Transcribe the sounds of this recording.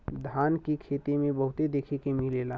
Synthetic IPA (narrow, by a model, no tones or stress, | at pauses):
d̪ʱaːnkikʰeːt̪imẽbəɦʊt̪ed̪eːkʰekemileːla